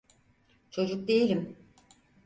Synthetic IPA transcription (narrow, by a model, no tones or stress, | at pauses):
t͡ʃʰo̞d͡ʒuk̚d̪ejilʲim